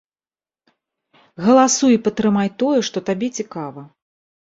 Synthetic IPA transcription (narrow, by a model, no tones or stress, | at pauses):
ɣɐlˠasujipɐt̪ɾɨmajt̪ɔjɛʂt̪ɔt̪abʲɛt͡sʲikavɐ